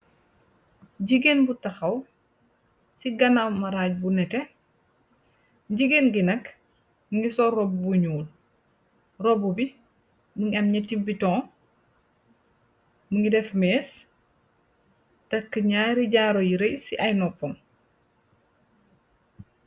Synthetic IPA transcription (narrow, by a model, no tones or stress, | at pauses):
ɟiɡenbutɐxɐw | siɡɐnawmɐɾaːɟ̚bunɛtɛ | ɟiɡenɡinɐk | muŋɡisɔɾɔbubuɲuːl | rɔbubi | muŋiɐmɲɐtibːitɔ̃ː | muŋɡidɛfmɛːs | tɐkːəɲaːɾiɟaːɾojiɾejsiʔɐjnɔpːɔm